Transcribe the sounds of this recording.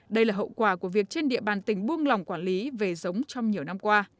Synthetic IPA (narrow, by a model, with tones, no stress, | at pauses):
ɗə˧jlaː˨˩ɦə̰˧˨wkwaː˧˩ku˧˩əvi˨˩ək̚t͡ɕe˧nɗḭ˧˨əɓaː˨˩nt̪ï˧˩ŋ̟ɓu˧əŋla˨˩wŋ͡mkwaː˧˩nli˨˦ve˨˩zə˨˦wŋ͡mt͡ɕɔ˧wŋ͡mɲi˨˩əwna˧mkwaː˧